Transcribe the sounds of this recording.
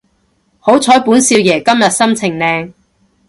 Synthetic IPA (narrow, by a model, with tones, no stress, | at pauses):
ho˨˥wt͡sʰɔː˨˥jpuː˨˥nsiː˧wjɛː˨˩kɐ˥mjɐ˨t̚sɐ˥mt͡sʰɪ˨˩ŋnɛː˧ŋ